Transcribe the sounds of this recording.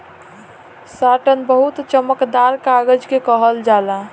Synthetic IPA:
saʈənbəɦut̪t͡ʃəməkd̪aɾkaɡəd͡ʒkekəɦəld͡ʒala

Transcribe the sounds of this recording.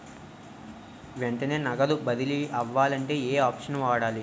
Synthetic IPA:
ʋeɳʈɐne̞ːnɐɡɐd̪ubɐd̪iliʔɐʋːaːlɐɳʈe̞ːeːaːpʂɐnʋaːɽaːli

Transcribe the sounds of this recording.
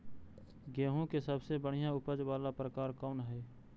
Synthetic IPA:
ɡɛːɦõkesəbsebəɽ̤ijãʊpəd͡ʒʋaːlapɾəkaːɾkɔːnɦɛː

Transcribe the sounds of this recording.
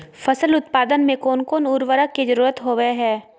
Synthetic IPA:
fʰɐsəlʊt̪paːd̪ənmẽkoːnkoːnuɾʋəɾəked͡ʒəɾuːɾət̪ɦoːʋeɦɛː

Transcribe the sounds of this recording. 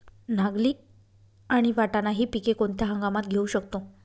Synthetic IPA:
naɡliː | aɽ̃iʋaʈanaɦiːpikekoɳt̪ʰjaɦəŋɡamat̪ɡʱeuɕəkt̪o

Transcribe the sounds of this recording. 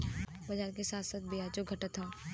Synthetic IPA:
bɐd͡ʒaːɾkesaːt̪saːt̪̚bʱijaːd͡ʒoɡʱɐʈət̪ɦãː

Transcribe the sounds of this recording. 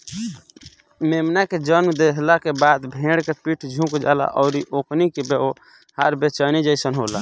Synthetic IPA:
memnaked͡ʒənmd̪eɦlakebad̪bʱẽɽkepiʈʰd͡ʒʱũkd͡ʒa̰la̰ʔɔʊɾiʔoknikebeo | haɾbet͡ʃənid͡ʒəɪsənɦola

